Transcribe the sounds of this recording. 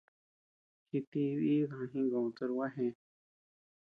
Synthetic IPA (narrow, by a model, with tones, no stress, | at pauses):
hi˧t̪i˧βi˦ɣa˨ã˧ɦĩ˦ŋɡã˨ũ˧t̪ə˧ɾwa˦ɦẽ˧